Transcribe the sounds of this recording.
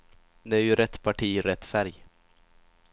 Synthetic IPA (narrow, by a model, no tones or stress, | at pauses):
d̪ɛæɾjɵɾɛt̪ːpʰaʈʰiːɾɛt̪ːfæɾj